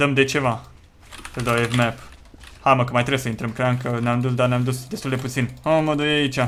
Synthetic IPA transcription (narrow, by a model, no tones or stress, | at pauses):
d̪̥əmd̪et͡ʃe̞va | səld̪awevmɛphaməkəmajt̪ɾebsəint̪ɾəmkɾenkəneamd̪us̬d̪aneamd̪usd̪est̪uld̪eput̪sinoməd̪ujait͡ʃa